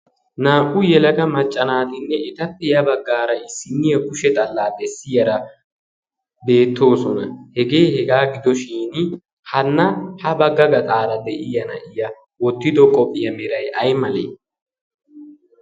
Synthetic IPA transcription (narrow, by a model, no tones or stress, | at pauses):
naːʔʼʊjɛlɐɡɐmɐt͡ʃʼːɐnaːt̪ɪnːɛɛt̪ɐpːɛjɐbɐɡːaːɾɐɪsːɪnːɪjɐkʊʃɛt̪ʼɐlːaːd̪ɛsːɪjɐɾɐ | be̞ːt̪ːo̞ːsɔnɐhɛɡe̞ːhɛɡaːɡɪd̪ɔʃiːn | hɐnːɐhɐbɐɡːɐɡɐt̪ʼaːɾɐd̪ɛʔɪjɐnɐ̰ʔɪjɐ | wɔt̪ːɪd̪ɔkʼɔpʼːɪjɐmɛɾɐjɐjmɐlḛː